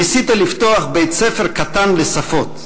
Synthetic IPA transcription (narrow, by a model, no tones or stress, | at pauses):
isit̪alift̪oaχbejt̪sefeʁkat̪anlesafo̞t